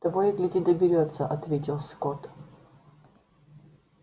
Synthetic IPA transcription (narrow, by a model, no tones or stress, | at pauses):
d̪̥ɐvoɪk̪lʲudʲɪd̪əbʲɪɾʲot̪səʔɐt̪vʲetʲɪlˠskot̪